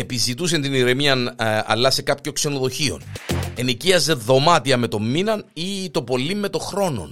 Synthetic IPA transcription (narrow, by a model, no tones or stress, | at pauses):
epizit̪us̬ent̪iniɾe̞miɐnɐ̰lːɐse̞kɐpço̞ŋkse̞no̞ðo̞çio̞̰ne̞niciɐze̞ðo̞mɐt̪iɐme̞t̪o̞mːinɐnit̪o̞po̞lːimːe̞t̪o̞xɾo̞no̞̰n